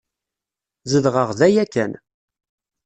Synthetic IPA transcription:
zəðʁəʁðæjækːæn

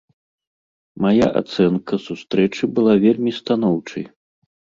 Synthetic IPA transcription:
majaʔa̰t̪sɛnkɐsust̪ɾɛt͡ʂɨbɨlˠavʲelʲmʲist̪an̪ɔwt͡ʂɐj

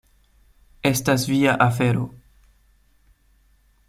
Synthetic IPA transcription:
estasviaʔafeɾo̰

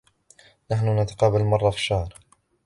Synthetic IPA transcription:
naħnʊnat̪ḁqɑːbalmɑrˤːɑfi̥ʃːɑhɾˤ

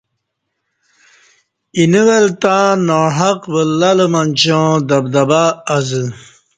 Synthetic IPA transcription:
iniwelt̪ãːnoɦɐqbəlːɐləmɐnʲt͡ɕõd̪ɐbd̪ɐbaːzɨ

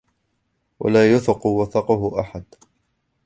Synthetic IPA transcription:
wa̰laːjʊθɪqʊwaθɑqʊhʊʔaħad̪

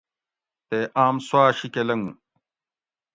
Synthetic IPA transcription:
t̪eːʔaːmswaːɕikelɐŋũ

